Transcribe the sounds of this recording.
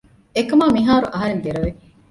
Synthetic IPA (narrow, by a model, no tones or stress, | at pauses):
ekɐmaːmiɦaːɾuʔɐɦɐɾend̪eɾɐʋe